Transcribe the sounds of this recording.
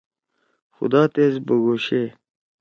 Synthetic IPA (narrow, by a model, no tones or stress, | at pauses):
xʊ̰d̪aːt̪ezbɐɡoːɕe